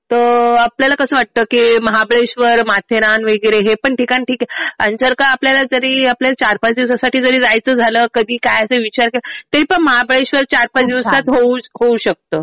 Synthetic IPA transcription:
t̪əapljalakəsəʋaʈ̚t̪əːkiməɦabɭeɕʋəɾmat̪ʰeɾanʋeɡɾeɦepəɳʈikaniʈʰiːkeansəɾkaapljalad͡zəɾiːapljalat͡ɕaɾpat͡sd̪iʋsasaʈiːd͡zəɾiːd͡zajt͡səːd͡zʱaləkəd̪ʱiːkajəseʋit͡ɕaɾkelət̪əɾiːpəɳməɦabɭeɕʋəɾt͡ɕaɾpat͡sd̪iʋsat̪ɦouɦouɕək̚t̪əː

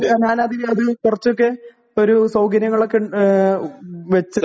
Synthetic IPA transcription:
ɲaːnaːd̪iɐðɨkurɐt͡ɕːo̞kːe̞ | o̞ɾusɐwɡɐɾjɐŋːɐɭo̞kːe | ʋet͡ɕːɐ

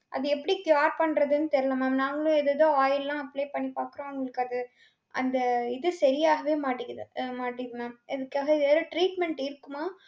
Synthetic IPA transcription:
ʔɐ̰ðɯɛpːɐɽikjaːɾpɐɳːɾɐðɯnːɯt̪ɛɾɪlɐmaːnaːŋɡɐɭʊ̃ɛðɐðõːaːjɪllãːɐpːleːpɐɳːipaːkɯɾõːʊŋɡɐɭɯkːɐðɯ | ʔɐ̰nd̪ɐɪðɯsɐɾɪjaːɣɐʋeːmaːʈːɪkːɐðɯmaːʈːɪðɯnaːɛðɯkːaːɣɐɪɛːɾɐʈɾiːʈmɛɳʈɪɾɯkːɯmaː

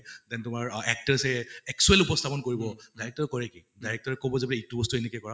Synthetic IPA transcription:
dɛntʊmaɹɛk̚taɹsɛɛksuɛlupɔst̪ʰapɔnkoɹibɔdajɹɛk̚tɔɹkɔɹɛkidajɹɛk̚tɔɹɛkobɔzebilɛik̚tubɔstuenekjkɔɹa

